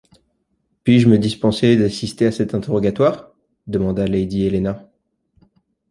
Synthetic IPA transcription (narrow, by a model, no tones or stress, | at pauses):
pɥiʒəməd̪ispɑ̃sed̪asist̪easɛt̪ɛ̃t̪eʁɔɡʲat̪waːʁ | d̪əmɑ̃d̪alejd̪ielena